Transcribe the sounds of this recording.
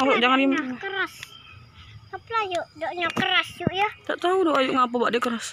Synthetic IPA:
aloʔd͡ʒaŋandimkəɾas | aplajoʔdoʔɲakəɾasjuʔjat̪aʔt̪audoʔajʊʔŋap̬ubaʔdiəkəɾas

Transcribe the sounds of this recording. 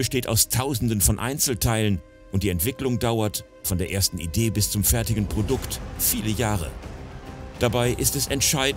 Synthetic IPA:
b̥əʃteːta̰ʊstʰaʊzn̩dənfɔnʔa̰ɪnt͡sl̩tʰaɪlən | ʔʊnt̚d̥iːɛntv̥ɪklʊŋdaʊɐt | fɔndeːɐʔeːɐstn̩ideːbɪst͡sʊmfɛɐtɪɡn̩pʁ̥odʊktfiːləjaːʁə̰ | d̥abaɪʔɪstɛsɛntʃaɪdn̩

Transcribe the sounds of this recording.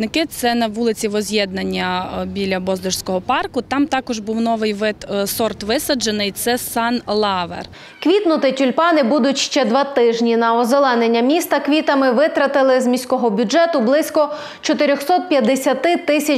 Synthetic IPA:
nɪkɪt̪sɛnɐʋulˠɪt͡sʲiʋɔzʲjɛd̪̚nɐnʲːɐbʲilʲɐbɔzd̪ʊʃsʲkɔɦɔpɑrkʊt̪ɑmt̪ɑkɔʒbuwnɔʋɪjʋɪt̪sɔrt̪ʋɪsɐd͡ʒenɪjt̪sɛsɑnlˠɑʋḛr | kʋʲit̪nʊt̪ɪtʲʊlʲpɑnɪbud̪ʊtʲʃt͡ʃɛd̪ʋɑt̪ɪʒnʲinɐɔzelˠɛnenʲːɐmʲist̪ɐkʋʲit̪ɐmɪʋɪt̪ɾɐt̪ɪlˠɪzmʲisʲkɔɦɔbʲʊd͡ʒɛt̪ʊblˠɪsʲkɔ | t͡ʃɔt̪ɪɾʲɔxsɔt̪̚pʲjɐd̪ːesʲɐt̪ɪt̪ɪsʲɐ

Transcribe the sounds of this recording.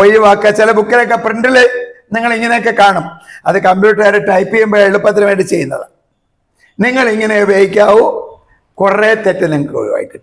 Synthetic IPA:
ojiʋaːkːɐt͡ɕilɐbukːɐlokːepreɳɖilniŋːɐɭiŋːɐnok̬ːe̞kaːɳɐmɐðɨkɐmbjuːʈːɐɾeʈːɐjpːijembeeɭupːɐt̪̬ːɾɐmʋeːɳɖit͡ɕe̞jːunːɐ̰ðɨ̰ | niŋːɐɭiŋːɐneubʱeːjik̬ʲːaːʋu | kuret̪etːɐniŋːɐo̰j̰ʋa̰ːjikʲːuː

